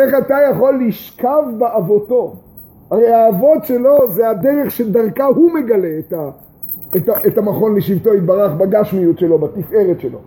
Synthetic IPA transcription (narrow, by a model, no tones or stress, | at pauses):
eχat̪ajaχo̞lːiʃkavbeavo̞t̪o̞ | aʁejaːvo̞tʃe̞lo̞zead̪eʁeχʃed̪aʁkaɦume̞ɡale̞ːta | etaʔet̪amaχo̞nleʃivt̪o̞it̪̚baʁaχbaɡaʃmijutʃe̞lo̞bat̪ife̞ʁetʃelo̞̰